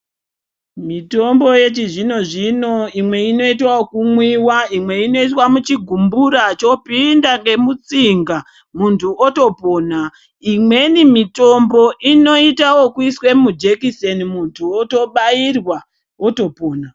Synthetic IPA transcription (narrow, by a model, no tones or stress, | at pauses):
mito̞mbo̞je̞t͡ʃiʐino̞ʐino̞imwe̞ino̞itwawokumwiwaimwe̞ino̞it̬wamut͡ʃiɡʱumbuɾat͡ʃo̞pindaŋɡe̞mut͡siŋɡa | muntʰuoto̞po̞ːna | imwe̞nimito̞mbo̞ʔino̞itawo̞kuiswe̞mud͡ʒekisenimuntʰuoto̞ɓairwa | oto̞po̞ːna